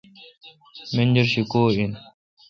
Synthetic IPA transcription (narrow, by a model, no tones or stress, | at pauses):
mend͡ʑeɾɕikoːin